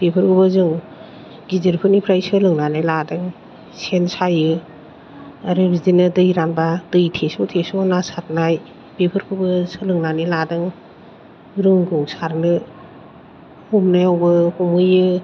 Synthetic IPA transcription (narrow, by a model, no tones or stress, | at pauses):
b̥epʰɯɾkʰubɯzɯŋ | ɡizɯɾpʰɯnipʰɾajsɯlɯŋnanajladɯŋ | sensajɯ | aɾɯbizinɯdɯjɾanbadɯjtʰesɔtʰesɔnasat̚naj | bepʰɯɾkʰɯbɯsɯlɯŋnaniladɯŋ | ɾɯŋɡɯwsaɾnɯ | humnajawbɯhumɯjɯ